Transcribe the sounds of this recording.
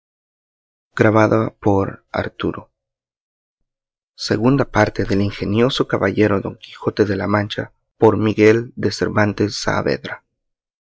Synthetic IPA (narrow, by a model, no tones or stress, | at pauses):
ɡ̥ɾaβaðapo̞ɾa̰ɾt̪uɾo̞ | se̞̰ɣund̪apaɾt̪e̞ðe̞liŋxe̞njo̞so̞kaβaʝe̞ɾoðo̞̰ŋki̥xo̞t̪e̞ðe̞lamãnt͡ʃa̰ | po̞ɾmiɣe̞ld̪e̞se̞̰ɾβant̪e̞sːa̰ːβe̞̰ðɾa